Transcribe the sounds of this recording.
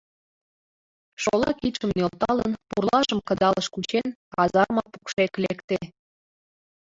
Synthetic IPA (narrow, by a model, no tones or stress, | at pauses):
ʃolɑkit̪ʃə̆mnølt̪ɑlə̰npurlɑʒəmkɤ̆d̪ɑləʃkut͡ɕenɑzɑrmɑpu̥kʃeklekt̪e